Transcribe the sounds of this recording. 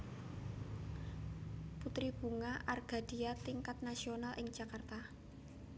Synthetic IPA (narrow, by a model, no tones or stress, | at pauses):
put̪ɾib̥ṳŋaʔarɡ̥a̤d̥i̤at̪iŋkat̪̚nasionalʔɪŋd͡ʒ̥akart̪a